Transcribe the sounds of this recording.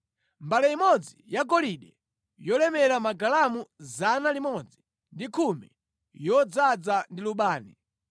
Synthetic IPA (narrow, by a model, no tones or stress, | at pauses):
mbalɛimɔd͡zijakɔliɗɛ | jɔlɛmɛɾamaɡalamuzanalimɔd͡zi | ndikʰumɛ̰ | jɔd͡zad͡zandiluɓaːnḭ